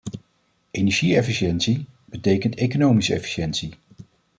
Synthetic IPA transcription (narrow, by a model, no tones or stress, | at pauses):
ʔenɛɹʒiɛfiʃɛntsi | b̥ətejkəntejkonowmisəɛ̰fi̥ʃɛntsi